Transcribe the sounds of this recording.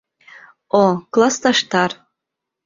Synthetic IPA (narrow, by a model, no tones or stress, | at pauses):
oklˠɑst̪ɑʃt̪ɑɾ